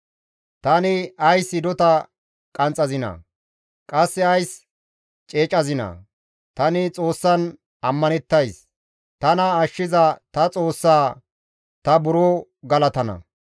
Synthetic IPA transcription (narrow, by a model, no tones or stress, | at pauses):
t̪ɐnɪɐjsːɪd̪ɔt̪ɐ | kʼɐnt͡sʼɐzɪnɐ̰ | kʼɐsːɛɐjs | t͡ʃʼeːt͡ʃʼɐzɪnɐ̰ | t̪ɐnɪt͡sʼo̞ːsːɐn | ɐmːɐnɛt̪ːɐjs | t̪ɐnɐːʃːɪzɐt̪ɐt͡sʼo̞ːsːaː | t̪ɐbʊɾoː | ɡɐlɐt̪ɐnɐ̰